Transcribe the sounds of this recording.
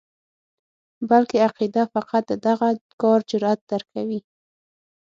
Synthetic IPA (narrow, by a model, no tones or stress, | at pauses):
balkeaqid̪afaqat̪̚d̪əd̪aɣakɑɾd͡ʒʊɾat̪̚d̪̥aɾkʰawi